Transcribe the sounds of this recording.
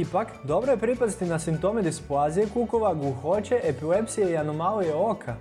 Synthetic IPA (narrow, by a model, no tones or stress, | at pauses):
ipakd̪o̞bɾojepɾipasit̪inasimpt̪o̞med̪ispluaːzijekuko̞ʋaɡuxo̞t͡ʃe̞ʔepile̞psijeianomalujeokʰa